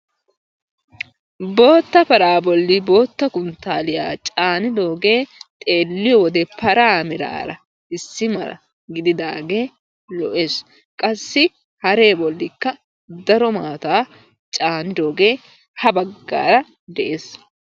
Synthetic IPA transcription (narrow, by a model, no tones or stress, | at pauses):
bo̞ːt̪ːɐpɐɾaːbɔlːɪbo̞ːt̪ːɐkʊnt̪ːaːlɪja̰ːt͡ʃʼaːnɪd̪o̞ːɡe̞ːt̪ʼe̞ːlːɪjɔwɔd̪ɛpɐɾaːmɪɾa̰ːɾɐ̰ | ɪsːɪmɐ̰ɾɐ̰ | ɡɪd̪ɪd̪aːɡe̞ː | lɔʔe̞ːs | kʼɐsːɪ | hɐɾe̞ːbɔlːɪkːɐ | d̪ɐɾɔmaːt̪aː | t͡ʃʼaːnɪd̪o̞ːɡe̞ː | hɐbɐɡːa̰ːɾɐ | d̪ɛʔeːs